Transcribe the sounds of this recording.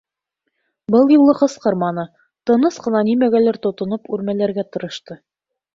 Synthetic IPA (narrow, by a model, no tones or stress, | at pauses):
bɤlˠjŭlˠːɤqɤ̆sqɤɾmɑnɤ | t̪ɤ̆nɤsqɤ̆nɑnimæɡælæɾt̪ŏt̪ŏnɤpʉɾmælæɾɡæt̪ɤ̆ɾɤ̆ʃt̪ɤ